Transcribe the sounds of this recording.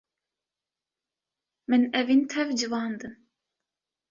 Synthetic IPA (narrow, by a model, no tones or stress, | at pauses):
mɨnɛvint̪ʰɛvd͡ʒɨvɑːnd̪ɨm